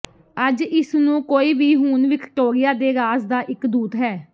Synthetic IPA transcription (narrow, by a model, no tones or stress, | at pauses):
əd͡ʒɪsnũːkoːiːbiːɦuːnʋɪkʈoːɾɪjaːd̪eːɾaːsd̪aːʔɪkd̪uːt̪ɦɛː